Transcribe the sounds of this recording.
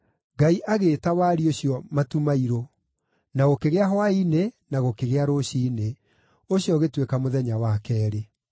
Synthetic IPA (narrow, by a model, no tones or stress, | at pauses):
ɡaiʔaɣeːtawaɾioɕiɔmatumaiɾo | naɣokeɣeaɦwainenaɣokeɣeaɾoɕiːne | oɕjɔɣetwekamoðɛɲawakɛːɾe